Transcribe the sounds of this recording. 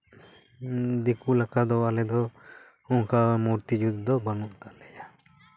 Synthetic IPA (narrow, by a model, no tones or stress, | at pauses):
d̪ikulakad̪ɔwalɛd̪ɔ | ɔŋkamuɾt̪id͡ʒud̪d̪ɔbənuʔt̪aʔlɛja